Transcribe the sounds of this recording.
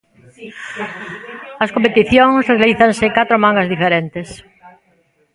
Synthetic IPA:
ɐskõmpet̪iθjoŋsrealiθansɪkat̪ɾomãŋɡazðifeɾent̪es

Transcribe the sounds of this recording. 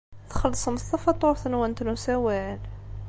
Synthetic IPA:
θxɑlːsˤəməθɑfɑt̪ˤːoɾθənwænt̪nusæwæl

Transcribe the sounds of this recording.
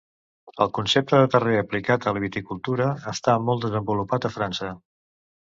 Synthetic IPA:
əlˠkunsep̚t̪əðət̪əreəplikat̪ələβ̞it̪ikulˠt̪uɾəːst̪amɔlˠd̪əzəmbulupat̪əfɾansə

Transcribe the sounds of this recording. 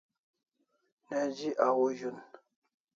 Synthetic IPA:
nɛd͡ʒiʔawoʒun

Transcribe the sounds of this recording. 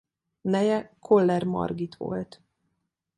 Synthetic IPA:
nɛjɛkʰo̞lːɛrmɒ̰rɡit̪ʋo̞̰lt̪

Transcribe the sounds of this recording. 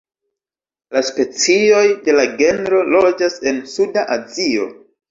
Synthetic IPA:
laspe̞t͡sio̞jde̞laɡe̞nɾo̞lo̞d͡ʒase̞nsudaʔazio̞̰

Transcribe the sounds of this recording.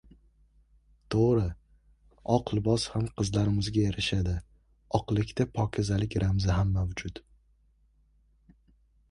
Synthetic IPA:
t̪ʰoʁɾɪ | ɒqlˠɪbɒshamqʰɨzlaɾɪmɪzɡʲajeɾɪʃad̪ɪ | ɒqlˠɪkʲt̪ʰapʰɒkʲʰɪzalɪkʲɾamzɪɦamːawd͡ʒʊt̪

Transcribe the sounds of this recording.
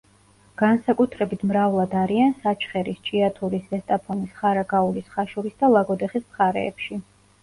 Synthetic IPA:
ɡ̥ansakʼut̪ʰɾɛbit̪ʰmɾavlˠad̪aɾiansat͡ʃʰχɛɾist͡ʃʼiat̪ʰuɾisɛst̪ʼapʰɔnisχaɾaɡauɾisχaʃuɾisd̪alˠaɡɔd̪ɛχismχaɾɛ̰ːpʃi

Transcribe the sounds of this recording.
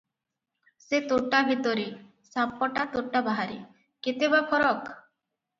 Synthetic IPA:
set̪oʈabʱit̪ɔɾi | sapɔʈat̪oʈabaɦaɾḭ | ket̪ebapʰɔɾɔk

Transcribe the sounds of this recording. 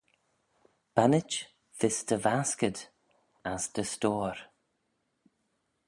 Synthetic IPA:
b̥anɪt͡ʃ | ðɪstʰəvaskəd | asdəstoːɹ

